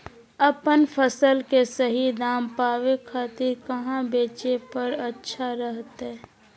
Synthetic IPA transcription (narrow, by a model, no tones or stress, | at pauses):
əpənpʰəsəlkesəɦid̪aːmpaːwekʰaːt̪iɾkəɦãbeːt͡ʃepəɾətːʃʰaɾəɦt̪ɛ